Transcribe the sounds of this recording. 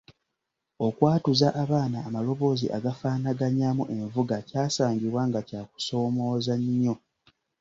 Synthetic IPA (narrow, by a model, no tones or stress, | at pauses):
o̞kwaːtuzaʔaβaːnaːmalo̞βo̞ːziʔa̰ɡafaːnaɡaɲamuʔe̞ɱvuɡacaːsaːɲɟiβwaŋɡacaːku̥so̞ːmo̞ːzaɲːo̞